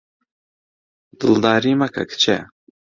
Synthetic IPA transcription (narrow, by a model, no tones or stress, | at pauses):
d̪̥ɨld̪aːɾimakʰɐ̰kʰt͡ʃʰɛ̰